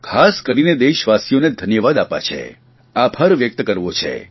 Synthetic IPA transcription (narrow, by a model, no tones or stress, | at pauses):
kʰaskəɾined̪eʃʋasijoned̪ʱənjəʋad̪apa̰t͡ʃʰḛ | abʱəɾʋjək̚t̪kəɾʋot͡ʃʰḛ